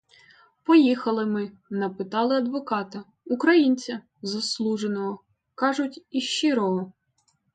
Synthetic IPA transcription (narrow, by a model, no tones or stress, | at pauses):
pɔjixɐlˠɪmɪ | nɐpɪt̪ɑlˠɪɐd̪ʋɔkɑt̪ɐ | ukɾɐjinʲt͡sʲɐ | zɐslˠuʒenɔɦɔ | kɑʒʊtʲiʃt͡ʃɪɾɔɦɔ